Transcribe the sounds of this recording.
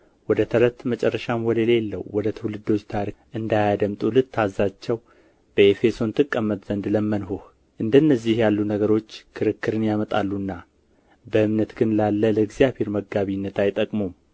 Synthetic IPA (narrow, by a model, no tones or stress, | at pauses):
wɔd̪ət̪ʰəɾət̪mət͡ʃʼɛrːəʃamwɔləlelːəwwɔd̪ət̪ʰɨwlɨd̪o̞t͡ʃːt̪ʰaɾiʔɨnd̪ajad̪əmt̪ʼulɨd̪t̪ʰːazːat͡ʃːɛw | b̥əefe̞so̞nt̪ʰɨkʼːəmːət̪z̥ənd̪ləmːənɦuh | ʔɨnd̪ənːəzːihjalːunəɡəɾo̞t͡ʃːkʰɨɾɨkːɨɾɨnjamət̪ʼalːunːa | bəɨmnət̪ɡɨnlalːələɡzijaβhe̞ɾməɡaβinːət̪ajt̪ʼəkʼmom